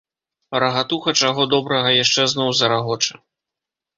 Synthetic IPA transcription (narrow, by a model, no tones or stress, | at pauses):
ɐɾɐɣat̪uxɐt͡ʂaɣɔd̪ɔbɾɐɣɐjaʂt͡ʂɛznɔwzɐɾaɣɔt͡ʂɨ̥